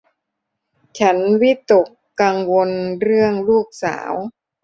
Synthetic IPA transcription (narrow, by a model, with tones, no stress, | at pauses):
t͡ɕʰa˦˥nwi˦˥t̪o˨˩kː | aː˧ŋwo˧nɾɯ˥˩əŋluː˥˩k̚sa̰ː˩˦w